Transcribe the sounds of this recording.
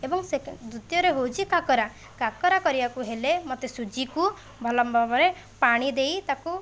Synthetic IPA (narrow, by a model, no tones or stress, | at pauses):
ebɔŋsed̪ɾut̪jɔɾeɦowt͡ʃʰikakɔɾa | kakɔɾakɔɾibakuɦelemot̪esud͡ʒiku | bʱɔlɔmbʱɔbɔɾe | paɽ̃id̪ejt̪aku